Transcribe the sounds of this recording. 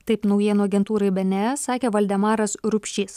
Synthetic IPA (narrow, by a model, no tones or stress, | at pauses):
t̪ɐɪpnɒʊjiɛnuːɐɡʲɛnt̪uːɾɐɪbʲɛnʲɛsɑːkʲeːʋɐlʲd̪ʲɛmɑːɾɐsɾʊpʲʃʲiːs